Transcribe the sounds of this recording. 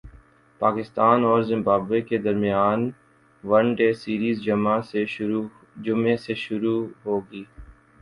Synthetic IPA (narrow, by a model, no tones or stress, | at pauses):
paːkɪst̪aːnɔːɾzɪ̃mbaːbeked̪ɐɾmɪjaːn | ʋɐɳɖeːsiːɾiːzd͡ʒɐmase | d͡ʒʊmeseʃʊɾuɦoːɡiː